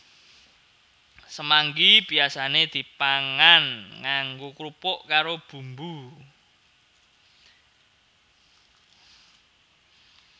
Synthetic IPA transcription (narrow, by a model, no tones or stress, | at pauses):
səmaŋɡib̥iasaned̪̥i̤paŋanŋaŋɡokɾupʊʔkaɾob̥ṳmbu